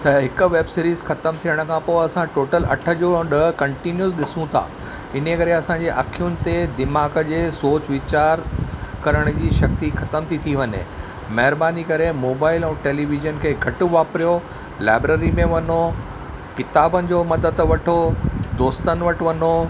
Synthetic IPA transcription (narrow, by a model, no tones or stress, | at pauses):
t̪ɐɦɪkʊ̆ʋeːbsɪɾiːzxɐt̪əmt̪ʰijəɽ̃̆kʰãpoːɐsãʈoːʈəlɐ̰ʈʰə̆d͡ʑoːɗɐɦkɐ̃ɳʈinjuzɗɪsũt̪ʰa̰ː | ɪn̤ekɐɾeɐsãɲd͡ʑeʔɐkʰijʊnɪ̆t̪ed̪ɪmaːɡəd͡ʑeːsoːt͡ɕʋɪt͡ɕaːɾkɐɾəɽ̃d͡ʑiːʃɐk̚t̪ixɐt̪əmt̪ʰit̪ʰiʋɐɲḛ̃ | mɐɦɪɾbaːnikɐɾemoːbaːɪlɛ̃ːʈeːliːʋɪʒənkʰeːɡʱɐʈʊʋaːpɾijo | la̰ːbɾeːɾimẽʋɐno | kɪt̪aːbənɪ̆d͡ʑoːmɐd̪əd̪ʋɐʈʰod̪oːst̪ənɪ̆ʋɐʈ̆ʋɐnoː